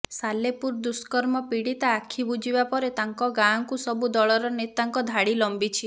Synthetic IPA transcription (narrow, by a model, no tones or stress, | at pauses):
salepuɾd̪uskɔɾmɔpiɽit̪aːkʰibud͡ʒibapɔɾet̪aŋkɔɡaŋkusɔbud̪ɔɭɔɾɔnet̪aŋkɔd̪ʱaɽilɔmbit͡ʃʰi